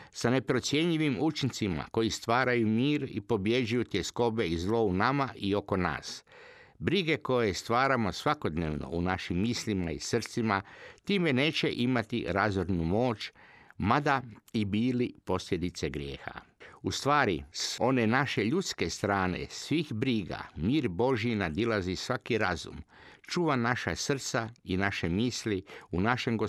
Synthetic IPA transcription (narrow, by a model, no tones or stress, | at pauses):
sane̞pɾo̞t̪sje̞ɲʎiʋimut͡ʃint̪sima̰ko̞jist̪ʋaːɾajumiːɾḭpo̞bje̞d͡ʒujut̪jesko̞be̞izlo̞unamaʔio̞ko̞na̰ːs | bɾiɡe̞ko̞jest̪ʋaːɾamo̞sʋako̞d̪neːʋno̞̰unaʃimːisʎimaḭsr̩t̪simat̪iːme̞ne̞ːt͡ɕe̞ʔimat̪ḭɾazoɾnumo̞ːt͡ʃmad̪aibiːlipo̞sʎʲe̞d̪it̪se̞ɡɾjḛːxa̰ust̪ʋaːɾiso̞ne̞naʃe̞ʎut̪skest̪ɾaːnḛsʋixbɾiːɡa̰miːɾbo̞ʒjinad̪ilazisʋakiɾazṵmt͡ʃuːʋanaʃasr̩t̪sainaʃe̞miːsliunaʃe̞mɡo